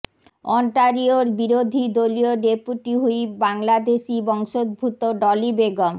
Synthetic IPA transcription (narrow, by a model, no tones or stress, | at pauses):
ɔɳʈaɾioɾbiɾod̪ʱid̪olioɖepuʈiɦujbaŋlad̪eʃibɔŋʃod̪̚bʱut̪oɖɔlibeɡom